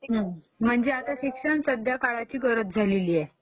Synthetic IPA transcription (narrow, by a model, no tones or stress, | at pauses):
ɦə̃ | m̤əɳd͡zeat̪aɕikʂəɳsəd̪jakaɭat͡ɕiːɡəɾət̪̚d͡zʱaleliːjɛ